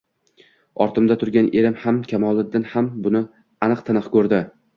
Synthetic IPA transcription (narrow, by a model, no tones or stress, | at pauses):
ɒɾt̪ʰɪmd̪at̪ʰʊɾɡʲanʔe̞ɾɪmhamkʲʰamɒlˠɪd̪ɪnhambʊnɪ | anɨqt̪ʰɪnɨqkɵɾd̪ɪ